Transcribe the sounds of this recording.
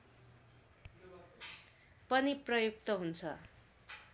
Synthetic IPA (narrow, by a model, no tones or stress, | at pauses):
pʌniprʌjuk̚t̪ʌɦunt͡sʰʌ